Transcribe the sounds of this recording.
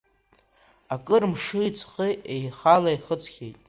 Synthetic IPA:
akʼɨrmʂɨit͡sʰʼχiejχalaiχət͡sʰʼχʲejtʼ

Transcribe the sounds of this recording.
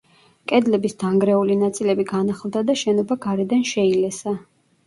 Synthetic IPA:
kʼɛd̪lɛbisd̪̥aŋɡɾɛulinat̪sʼilɛbiɡanaχlˠd̪ad̪aʃɛnɔbaɡaɾɛd̪anʃɛilɛsa

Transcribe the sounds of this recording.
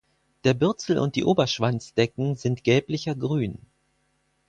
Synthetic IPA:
d̥eːɐbʏɐt͡sl̩ʔʊ̰nt̚d̥ḭːʔoːbɐʃv̥ant͡sd̥ɛkŋ̩zɪntɡ̥ɛːplɪçɐɡʁyːn

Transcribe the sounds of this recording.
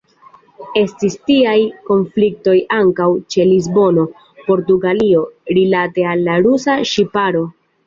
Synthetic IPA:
e̞stistiajko̞nflik̚to̞jaŋkawt͡ʃe̞lizbo̞no̞ | po̞ɾtuɡalio̞ɾilate̞alːaɾusaʃipaɾo̞

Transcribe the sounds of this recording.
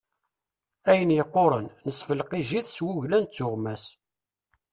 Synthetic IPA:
æjənjəqːoɾˤənnəsfəlqiʒiθswuʝlænt͡sːʊʁmæs

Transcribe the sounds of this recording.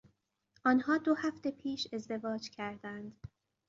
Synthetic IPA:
ʔɒːnhɒːd̪ohæft̪e̞pʰiːʃe̞zd̪e̞vɒːd͡ʒcʰæɾd̪ænd̪

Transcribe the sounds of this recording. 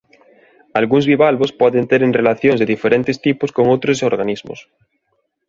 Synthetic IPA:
alɣuŋzβiβalβospwoðent̪eɾenrelaθjoŋzðeðifeɾent̪est̪iposko̞ŋot̪ɾos̬oɾɣanizmo̰s

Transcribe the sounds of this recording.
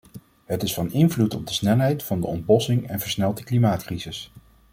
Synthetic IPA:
ɦətɪsfɑnɪnvlutɔb̚dəsnɛlˠɦɛjtfɑndəɔnd̚bɔsɪŋɛnvəɹsnɛlˠdəklimaːtkrizɪs

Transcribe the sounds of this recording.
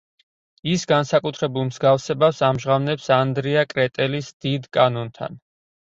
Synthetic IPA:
isɡansakʼut̪ʰɾɛbulˠmzɡafsɛbafsamʒʁavnɛpsand̪ɾiakʼɾɛt̪ʼɛlisd̪̥id̪kʼanɔnt̪ʰa̰n

